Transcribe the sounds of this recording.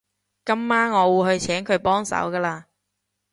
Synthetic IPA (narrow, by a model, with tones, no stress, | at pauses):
kɐ˨˥mːaː˥nŋɔː˨˧wuː˨˧hɵ˧ɥt͡sʰɛː˨˥ŋkʰɵ˨˧ɥpɔː˥ŋsɐ̰˨˥wkaː˧laː˧